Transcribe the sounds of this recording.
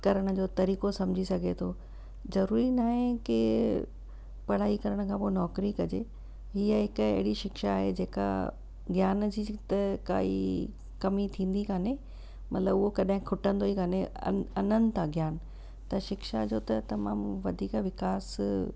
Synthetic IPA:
kɐɾəɽ̃ʊ̆d͡ʑoːt̪ɐɾiːkosɐ̃md͡ʑʱisɐɡʱet̪ʰo | zɐɾuːɾinaːɦẽkɪ | pɐɽ̤aːikɐɾəɽ̃kʰãːpoːnɔːkɾikɐd͡ʑḛ | ɦiəɦɪkʊɐ̰ɦɪɽiʃɪkʃaːɦed͡ʑeːka̰ | ɡjaːnd͡ʑit̪ɐka̰ːḭ | kɐmit̪ʰĩːn̆d̪ikaːne | mɐt̪ləbʊɦokɐɗaɦɪ̃kʰʊʈə̃nd̪oikaːnḛɐnənɪt̪ʰãɡjaːn | t̪ɐʃɪkʃa̰d͡ʑoːt̪ɐt̪ɐma̰ːmʋɐd̪ʱiːkʋɪkaːs

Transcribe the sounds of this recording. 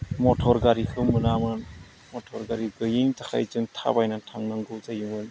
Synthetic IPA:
mɔtʰɔɾɡaɾikʰɯwmɯnamɯn | mɔtʰɔɾɡaɾiɡɯjiŋtʰakʰa̰jt͡ʃɯŋtʰa̰bajnatʰaŋnɯŋɡɯwzajuŋɯn

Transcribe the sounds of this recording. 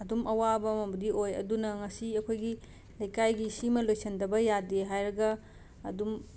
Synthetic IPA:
ɐdumʔɐwabɐmɐbɐdiʔojɐ̰dunɐŋɐsiɐkʰojɡi | lɐjkajɡisimɐlojsɐndɐbɐjadeɦajɾɐɡɐː | dum

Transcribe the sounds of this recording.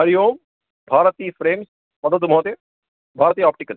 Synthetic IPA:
ɐɾijoːm | bʱaːɾət̪iːfɾeːms | pɐd̪əd̪umoːt̪e | bʱaːɾt̪iːaːp̚ʈikɐl

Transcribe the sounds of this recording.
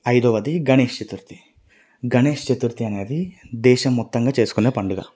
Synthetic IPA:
ɐjd̪oːʋɐd̪iɡɐneːʃt͡ʃet̪uɾt̪i̥ | ɡɐneːʃt͡ʃet̪uɾt̪iɐne̞ːd̪id̪ɛːʃɐmːɔt̪ːɐŋɡaːt͡ʃe̞ːsu̥kune̞ːpɐɳɖuɡa̰ː

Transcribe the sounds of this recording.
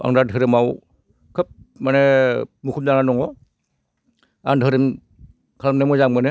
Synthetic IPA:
ʔa̰ŋdadʱʰɯɾimaw | kʰɯp̚manemukʰumjaŋlanɔŋɔ | aŋdʱəɾim | kʰalamnemɔzaŋmɯnɛ

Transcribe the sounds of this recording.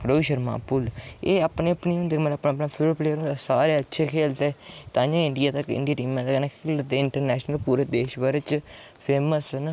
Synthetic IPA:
ɾoʋiʃəɾma̰ːpʊleːapnẽːəpniːʊ̃nd̪eːməəpnãːpnaːpʰɪpleːɾnd̪esaːɾeːətːʃʰeːkʰeːlt̪eːt̪ãːjãːɪɳɖijaːt̪əkɪ̰̃ɳɖijaːʈiːmẽːt̪əknaːkʰeːlt̪eːɪɳʈəɾnɛːʃnəlpuːɾeːd̪eːʃbəɾt͡ʃ | pʰeːməsən

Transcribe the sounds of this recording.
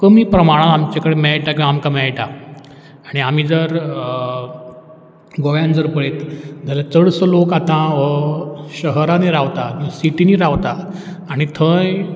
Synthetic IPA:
kəmiːpɾəmaɽ̃at̪amt͡ɕakəɽemɛɭʈakʲĩamkamɛɭʈaː | ɽ̃iam̤iːd͡zəɾ | ɡoʋjãnd͡zəɾpəɭet̪d͡zʱalat͡səɽsəlokat̪ãʋəɕəɦəɾaniɾaʋt̪anisiʈiniːɾaʋt̪aː | ɽ̃it̪ʰə̃j

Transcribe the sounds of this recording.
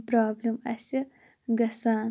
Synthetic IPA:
pɾaːblʲimɐsʲi | ɡɐsaːn

